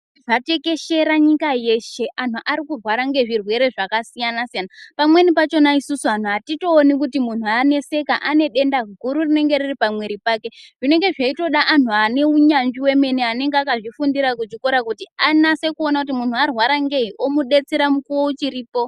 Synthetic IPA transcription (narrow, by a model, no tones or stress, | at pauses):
ʐate̞ke̞ʃe̞ɾaɲikaje̞ʃe̞ʔan̤uʔaɾikurwaɾaŋɡe̞ʐirwe̞ɾe̞ʐakasijanasijanapamwe̞nipat͡ʃo̞naisusuan̤uɦatito̞ːnikutimun̤uane̞se̞kaʔane̞ɗe̞ndaɡʱuɾurine̞ŋɡe̞riripamwe̞ɾipake̞ʐ̥ine̞ŋɡe̞ʐaito̞ɗaʔan̤uane̞uɲamd͡ʒiwe̞me̞niane̞ŋɡeakaʐifundiɾak̬ut͡ʃikoɾakutianase̞kuonakutimun̤uarwaɾaŋɡe̞ɦiʔo̞muɗe̞t͡seɾamukuwout͡ʃiɾiːpo̞